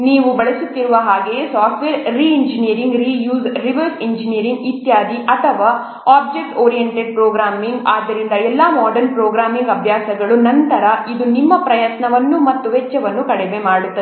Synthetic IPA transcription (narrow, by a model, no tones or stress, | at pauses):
niːʋubɐɭisut̪ːiɾuʋɐɦaːɡe̞saːʈʋeːɾːiiɲd͡ʒinijɐɾiŋɡɾiːjuːsɾiʋɐɾsiɲd͡ʒinijɐɾiŋɡit̪jaːd̪iʔɐt̪ʰɐʋaː | aːb̚d͡ʒek̚ʈoːɾijeɳʈeɖ̚pɾoːɡɾaːmiŋɡaːd̪ːɐɾind̪ɐɛlːɐmaːɖɐɾnpɾoːɡɾaːmiŋɡɐbʱjaːsɐɡɐɭunɐnt̪ɐɾɐid̪unimːɐpɾɐjɐt̪nɐʋɐnːumɐt̪ːuɦɛt͡ʃːɐʋɐnːukɐɽɛʋe̞maːɽut̪ːɐe